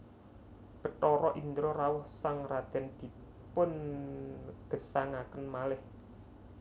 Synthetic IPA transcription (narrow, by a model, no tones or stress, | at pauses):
b̥ə̤t̪ɔɾɔʔind̪ɾɔrawʊhsaŋrad̪̥ɛ̤nd̪̥i̤ | pʊn | ɡ̥ə̤saŋakənmalɪh